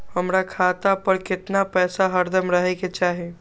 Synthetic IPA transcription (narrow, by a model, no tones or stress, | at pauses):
həmɾakʰaːt̪apəɾkɪt̪napɛːsaɦəɾd̪əmɾəɦɛket͡ʃaːɦi